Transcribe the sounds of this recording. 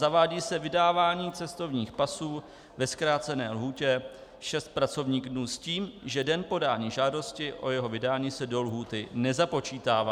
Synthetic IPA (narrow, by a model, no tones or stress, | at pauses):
zavaːɟiːsɛvɪdaːvaːɲiːt͡sɛst̪o̞vɲiːxpasuː | vɛskɾaːt͡sɛnɛːlɦuːcɛ | ʃɛst̪̚pɾat͡so̞vɲiːɣdnuːsciːmʒɛdɛnpo̞daːɲiːʒaːdo̞scɪʔo̞jɛɦo̞vɪdaːɲiːsɛdo̞lɦuːt̪ɪnɛzapo̞t͡ʃiːt̪aːvaː